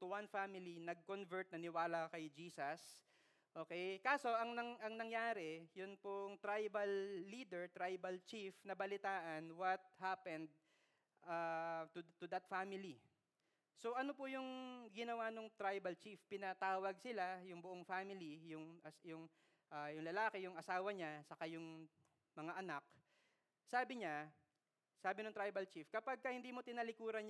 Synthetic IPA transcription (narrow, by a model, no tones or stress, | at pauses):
t̪ʊwanfamɪlinɐɡ̚konvɛɹt̪̚nɐnɪwaːlɐkɐjd͡ʒiːsɐs | ʔo̞ːkɛjkaːso̞ʔɐŋnɐŋʔɐŋnɐŋjaːɾɛjʊnpʊŋt̪ɾajbɐlːiːd̪ɛɹt̪ɾajbɐlt͡ʃifnɐbɐlɪt̪aːʔɐnwɐt̪̚hapɛ̃nd̪̚ | ʔaːt̪ʊt̪ʊd̪ɐt̪̚famɪli | so̞ʔɐnopʊjʊŋɡɪnɐwanoŋt̪ɾajbɐlt͡ʃifpɪnɐt̪aːwɐɡ̚sɪlajʊŋbʊʔoŋfaːmɪlijʊŋʔɐsjʊŋ | ʔajʊŋlɐlaːkɛjʊŋʔɐsaːwɐɲasɐkajʊŋ | mɐŋaʔɐnak̚ | saːbɪɲa | saːbɪnʊŋt̪ɾajbɐlt͡ʃifkɐpɐɡ̚kɐhɪnd̪iːmo̞t̪ɪnɐlɪkuːɾɐnɲ